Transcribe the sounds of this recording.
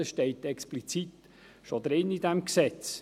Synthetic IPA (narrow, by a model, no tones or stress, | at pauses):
əsʃtɛɪtɛksplit͡sit̪ | ʃod̪ɾɪnːid̪ɛmksɛt͡s